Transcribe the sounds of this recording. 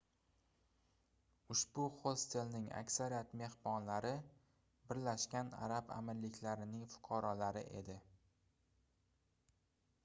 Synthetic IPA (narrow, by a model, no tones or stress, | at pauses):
ʊʃb̥ʊχost̪ʰe̞lnɪŋa̰kʲsaɾijat̪me̞hbɒnlaɾɪ | bɪɾlaʃkʲana̰ɾaba̰mɪɾlɪkʲʰlaɾɪnɪŋfʊ̥qʰɑɾɒlaɾɪ̰ʔe̞̰d̪ɪ